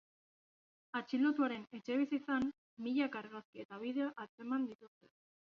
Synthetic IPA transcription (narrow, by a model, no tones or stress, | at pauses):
at͡ʃilo̞t̪uaɾe̞ne̞t͡ʃe̞β̞isit͡san | miʎakaɾɣaskiet̪aβ̞iðe̞oʔat͡se̞mand̪it̪ust̪e